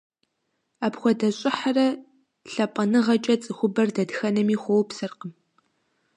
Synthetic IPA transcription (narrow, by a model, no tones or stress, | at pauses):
aːpxʷɔdɐɕʼɪħarɐ | ɬɐpʼɐnɨʁɐt͡ʃʼɐt͡sʼɨxʷʊbɐrdɐdxɐnɐmiːxʷowpsɨrqəm